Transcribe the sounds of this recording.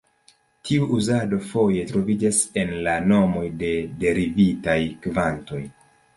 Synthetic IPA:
tʰiuʔuzado̞fo̞je̞tɾo̞vid͡ʒase̞nlano̞mo̞jde̞de̞ɾivitajkvanto̞j

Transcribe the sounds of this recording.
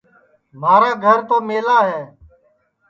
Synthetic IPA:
maːɾaːɡʱəɾt̪oːmeːlaːɦɛː

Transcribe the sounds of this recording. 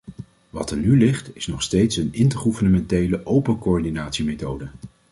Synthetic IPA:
ʋɑ̰təɹnylɪχtɪsnɔχstejtsənɪntəɹχuvəɹnəmɛntejləʔowpənkoɔɹdinaːtsimejtowdə

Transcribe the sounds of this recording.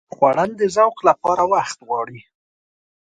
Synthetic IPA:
xwaɽand̪əzawqlapɑɾawaxt̪ɣwɑɽi

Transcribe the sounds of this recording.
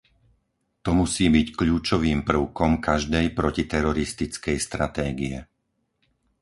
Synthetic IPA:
t̪ɔmusiːbickʎuːt͡ʃɔʋiːmpr̩ʊkɔmkaʒd̪ɛjpɾɔcit̪ɛɾɔɾist̪it͡skɛjst̪ɾat̪ɛːɡiɛ

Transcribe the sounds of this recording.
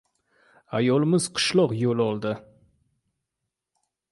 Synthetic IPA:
ajɒlˠɪmɪz̥qʰʊ̥ʃlˠɒqjolˠɒlˠd̪ɪ

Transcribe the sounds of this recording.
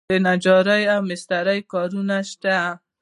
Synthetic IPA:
enad͡ʒɑɾajawmɪst̪aɾajkɑɾunaʃt̪a

